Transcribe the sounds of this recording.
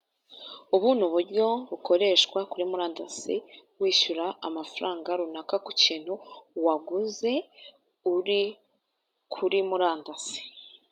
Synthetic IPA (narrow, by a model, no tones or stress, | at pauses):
uβuːnuβuɾjo̞βuko̞ɾe̞ːʃkwakuɾimuɾaːndasḭwiːʃuɾaamafuɾaːŋɡaɾunakakuciːn̥huwaɡuze̞ | uɾi | kʰuɾimuɾaːndasi̥